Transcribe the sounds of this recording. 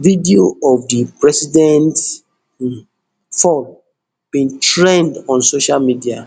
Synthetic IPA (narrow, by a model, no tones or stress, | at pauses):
vidioɔvdipɹɛsidɛ̃nt | fɔl | b̥ĩntɹẽndɔ̃nsoʃalmidia